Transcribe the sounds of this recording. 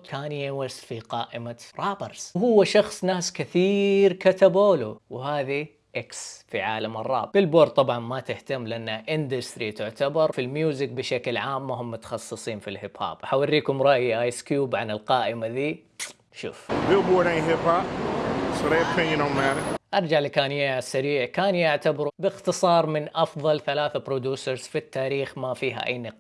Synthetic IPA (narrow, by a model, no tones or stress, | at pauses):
kaːnjɪwasfiqɑːʔɪmaɾˤɑːbɛɾz̥whʊwːaʃɑxsˤnaːskɪθiːɾkat̪aboːluwhaːði | ʔɪksfiʕaːlamɨrˤːɑ̰ːbbɪlboːɾˤt̪ˤɑbʕɑnmat̪ɪht̪amːlɪʔanːaʔɪnd̪ast̪ɾit̪ʊʕt̪abɑɾˤfilmjuːzɪk̚bɪʃaklʕaːmːaɦʊmːʊt̪ḁxɑsˤːɨsˤiːnfilhɪbha̰ːbħawarːiːkʊmɾˤɑʔjiʔajskjuːbʕanɪlqɑːʔɪmaðiː | ʃṵːfbubɔɾɪ̃ŋɦɪphapsɾepʰɪ̃njɨnoʊmæɾəʔɑɾˤd͡ʒaʕlɪkaːnɪjaasaɾiːʕkaːnjaʕt̪abɑɾbɪxt̪ɨsˤɑːɾˤmɪnʔɑfðˤɑlθalaːθabɾod̪uːsaɾz̥fit̪ːaːɾiːxmafiːɦa̰ʔa̰jːnɨq